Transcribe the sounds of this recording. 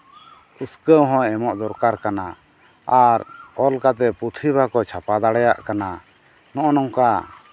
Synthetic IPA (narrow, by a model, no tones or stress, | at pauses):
uskəwɦɔ̃ɛmɔʔd̪ɔɾkaɾkana | aɾɔlkat̪̬ɛpɾut̪ʰibʱakɔt͡ʃʰapad̪aɽɛjaʔkana | nɔʔɔnɔŋka